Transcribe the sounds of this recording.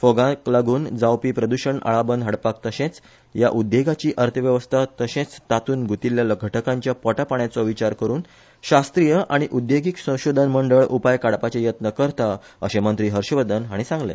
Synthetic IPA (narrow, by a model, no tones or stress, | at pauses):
fɔɡãklaɡuːnd͡zawpiːpɾəd̪uɕəɳa̰ɭabənd̪ɦəɽpak̚t̪əɕẽt͡s | ja̰ʔud̪jeɡat͡ɕiːʔəɾt̪ʰəʋjəʋəst̪ʰat̪əɕẽt͡st̪at̪uːnɡut̪iljaləɡʱəʈəkãɲt͡ɕjapɔʈapaɳjat͡sɔʋit͡ɕaɾkəɾuːn | ɕast̪ɾijəʔaɽ̃iʔud̪jeɡiksə̃w̃ɕod̪ʱənməɳɖəɭʔupajkaɽpat͡ɕejət̪nəkəɾt̪a | əɕemənt̪ɾiːɦəɾɕʋəd̪ənɦaɽ̃isãŋɡlḛ̃